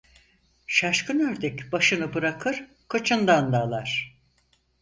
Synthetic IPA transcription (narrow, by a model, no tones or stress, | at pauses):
ʃaʃkɯnøɾd̪ɛcbaʃɯnɯbɯɾakʰɯɾ̥ | kʰat͡ʃʰɯnd̪and̪aːlˠaɾ̥